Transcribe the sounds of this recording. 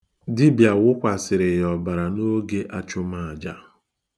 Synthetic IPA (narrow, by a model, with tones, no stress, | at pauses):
dɪ˦bja˨wʊ˦kʷa˨sɪ˨ɾɪ˨jɔ˨ba˨ɾa˨no˦ɡe˦ʔa˦t͡ʃʊ˦ma˨a˨d͡ʒa˦